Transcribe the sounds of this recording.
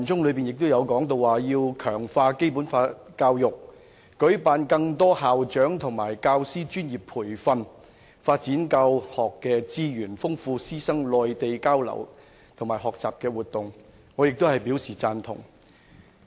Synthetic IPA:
nt͡sʊ˥ŋlɵ˨˧ɥpi˨njɪ˨k̚t̪o˥wjɐ˨˧wkɔː˨˥ŋt̪o˧wwaː˨jiː˧wkʰœː˨˩ŋfaː˧ke˥jpuː˨˥nfaː˧t̚kaː˧wjʊ˨˩k̚ː | ɵ˨˥ɥpaː˨˧nkɐ˧ŋt̪ɔː˥haː˨wt͡ʃœː˨˥ŋt̪ʰʊ˨˩ŋmaː˨˩jkaː˧wsiː˥t͡ʃyː˥njiː˨pʰuː˨˩jfɐ˧n | faː˧t̚t͡siː˨˥nkaː˧whɔː˨kːɛː˧t͡siː˥jyː˨˩nfʊ˥ŋfuː˧siː˥sɐ˥ŋlɔː˨˧jt̪e˨jkaː˥wlɐ̰˨˩w | t̪ʰʊ˨˩ŋmaː˨˩ɦɔː˨k̚t͡saː˨p̚kɛː˧wuː˨t̚t̪ʊ˨ŋ | ŋɔ˨˧jɪ˨k̚t̪o˥hɐ˨jpi˨˥wsiː˨˩t͡saː˧nt̪ʰʊ̰˨˩ŋ

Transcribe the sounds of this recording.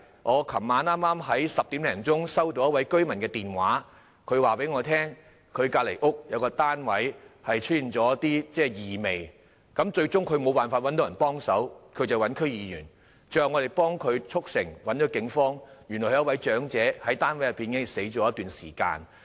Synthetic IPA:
ŋɔː˨˧kʰɐ˨˩mːaː˨˧naː˥maː˥mɦɐ˨˥jsɐ˨p̚t̪i˨˥mlɛː˨˩ŋt͡sʊ˥ŋsɐ˥wt̪o˨˧wjɐ˥t̚wɐ˨˥jkɵ˥ɥmɐ˨˩nkɛː˧t̪iː˨˩nwaː˨˥ | kʰɵ˨˧ɥwaː˨˩pe˨˥jŋɔː˨˧t̪ʰɛː˥ŋ | kʰɵ˨˧ɥkaː˧t̚le˨˩jʔʊ˥k̚jɐ˨˧wkɔː˧t̪aː˥nwɐ˨˥jhɐ˨jt͡ʃʰɵ˥t̚ji˨˩nt͡sɔː˨˥jɐ˥t̪iː˥t͡sɛː˥˩jiː˨˩me˨j | kɐ˨˥mt͡ʃɵ˧ɥt͡sʊ˥ŋkʰɵ˨˧ɥmo˨˧wpaː˨nfaː˧t̚wɐ˨˥nt̪o˨˧jɐ˨˩npɔː˥ŋsɐ˨˥wkʰɵ˨˧ɥt͡sɐ˨wɐ˨˥nkʰɵ˥ɥjiː˨˧jyː˨˩n | t͡ʃœː˨ŋɔː˨˧ɾe˨jpɔː˥ŋkʰɵ˨˧ɥt͡sʰʊ˥k̚sɪ˨˩ŋwɐ˨˥nt͡ʃɔː˨˥kɪ˨˥ŋfɔː˥ŋjy˨˩nɔː˨˩˨jɐ˥t̚wɐ˨˥jt͡ʃœː˨˥ŋt͡sɛː˨˥hɐ˨˥jt̪aː˥nwɐ˨˥jɐ˨tpːiː˨nkɪ˨˥ŋɪ˨˩se˨˥jt͡ʃɔː˨˥jɐ˥t̪yː˨nsiː˨˩ka̰ː˧n

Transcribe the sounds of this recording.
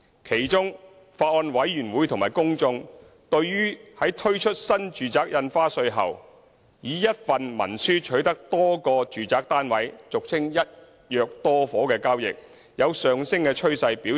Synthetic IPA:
kʰe˨˩jt͡ʃʊ˥ŋ | faː˧t̚ɔː˧nwɐ˨˥jjyː˨˩nwuː˨˥jt̪ʰŋmaː˨˩jkʊ˥ŋt͡sʊ˧ŋ | t̪ɵ˧ɥjyː˥hɐ˨˥jt̪ʰɵ˥ɥt͡ʃʰɵ˥t̚sɐ˥nt͡ʃyː˨t͡saː˨k̚jɐ˧nfaː˥sɵ˧ɥɦɐ̰˨˩w | jiː˨˥jɐ˥t̚fɐ˨nmɐ̰˨˩nsyː˥t͡ʃʰɵ˨˥ɥt̪ɐ˥k̚t̪ɔː˥kɔː˧t͡ʃyː˨t͡saː˨˥k̚t̪aː˥nwɐ˨˥jt͡sʊ˨k̚t͡sʰɪ˥ŋjɐ˥t̚ | jœː˨˧k̚t̪ɔː˥fɔː˨˥kɛː˧kaː˥wjɪ̰˨k̚ | jɐ˨˧wsœː˨ŋsɪ˥ŋkɛː˧t͡ʃʰɵ˥ɥsɐ˧jpiː˨˥

